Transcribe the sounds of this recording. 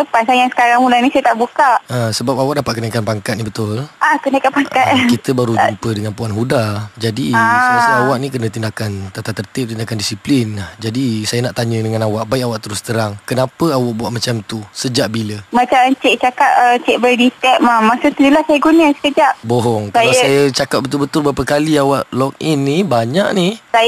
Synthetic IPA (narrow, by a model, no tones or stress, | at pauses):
səpasajasə̥kaɾaŋulanĩsajət̪aʔbukaʔasəbap̚awaʔ̚dapat̪̚kənaikanpaŋkat̪̚nibət̪ʊlʔakənaikanpaŋkkat̪̚kit̪əbaɾuumpədəŋanpuanɦudad͡ʒadiasəawaʔnĩkənə̃t̪indakant̪at̪at̪ːərt̪ɪp̚t̪indakandisiplinad͡ʒadisajənaʔt̪aɲə̃dəŋanawaʔbaɪʔawaʔt̪əɾʊst̪əɾaŋkənapəawaʔ̚buaʔmat͡ʃamt̪usəd͡ʒaʔbiləmat͡ʃamt͡ʃɛʔt͡ʃakat̚ət͡ʃɛʔbədit̪ɛk̚mamasut̪əd͡ʒulasajəɡunəsə̥kəd͡ʒaʔbɔɦɔŋkəajsajət͡ʃakap̚bət̪ʊlbət̪ʊlbəɾapəkaliawaʔlɔk̚inːibaɲaʔnisa